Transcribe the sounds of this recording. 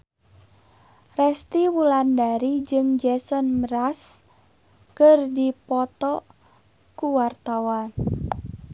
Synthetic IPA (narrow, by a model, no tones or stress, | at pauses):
rɛst̪iwulandaɾid͡ʒɨŋd͡ʒɛsɔnməɾas | kɨrdipɔt̪ɔ | kuwart̪awan